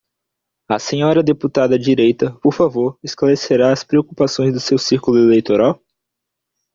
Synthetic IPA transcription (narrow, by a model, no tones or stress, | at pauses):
ɐsẽɲɔɾɐd̪eput̪ad̪ɐd͡ʒiɾejt̪ɐpoɾfavoɾesklaɾeseɾaɐspɾeokupasõj̃zd̪ʊsewsiɾkulʊelejt̪oɾaw